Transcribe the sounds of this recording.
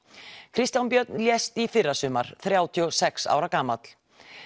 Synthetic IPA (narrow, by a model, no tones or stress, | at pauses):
kʰɾɪst̪jawnpjœt̪̚nljɛst̪ifɪrːasʏːmaɾ̥θɾjaːwt̪ʰiɔsɛksa̰ːwɾakaːmat̪l̥